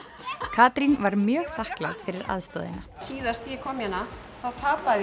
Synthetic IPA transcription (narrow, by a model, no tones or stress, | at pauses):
kʰaːt̪ɾinvaɾmjœːɣθahkla̰wt̪fɪɾɪɾa̰ðst̪ɔ̰ːðɪ̰nasiːðast̪ikʰɔmjana | θawt̪ʰaːpað